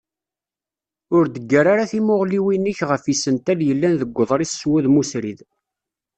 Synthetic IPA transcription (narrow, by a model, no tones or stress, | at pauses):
ʊɾd̪əɡːaɾaɾaθimʊʁliwinːəçʁəfisənt̪æljəlːænðəɡʷːəðˤɾˤisːwuðmusɾið